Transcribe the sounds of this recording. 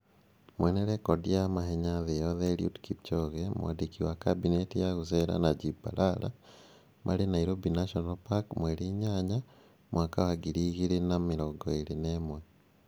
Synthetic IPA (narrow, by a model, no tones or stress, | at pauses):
mweneɾekodiamaɦeɲaðejoðeliṵdkipt͡ʃoɣemo̰a̰dikiwakabinetijaɣuseɾa̰naɟiba̰lala̰ | mʔa̰lenaiɾobinaʃonalpakmweɾiɲaɲa | mwʔaːkawaɡiɾiɣiɾenamiɾoɡoeɾinemwe